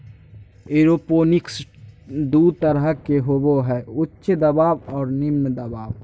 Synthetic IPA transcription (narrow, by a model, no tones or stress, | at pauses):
eːɾoːpoːnɪks | d̪uːd̪̚t̪əɾəɦkeɦoboɦɛːʊtːʃd̪ɐbaːbɔːɾnɪmnd̪əbaːʋ